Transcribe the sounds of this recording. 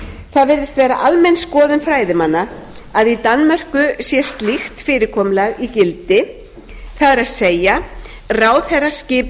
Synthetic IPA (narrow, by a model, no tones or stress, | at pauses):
θaðvɪɾðɪst̪vɛːɾaʔalmɛjnskɔːðʏnfɾaːjðɪmanːa | aðit̪anmar̥kʏsjɛst̪lixt̪fɪːɾɪkʰɔːmlaɣicɪlt̪ɪ | θaðɛɾaðseːja | raːwθɛrḁscɪːp